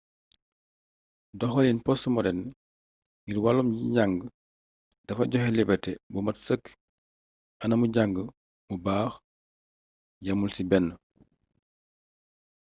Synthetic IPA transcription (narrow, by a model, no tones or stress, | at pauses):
dɔxɔlinpɔsmɔɾɛn | ŋɡirwalumɟiɲaŋɡə | d̥ɐfɐɟɔxɛlibɐtɛbumɐtsəkː | ʔɐnɐmuɟaŋɡə | mubaːx | jɐmulsibɛnːə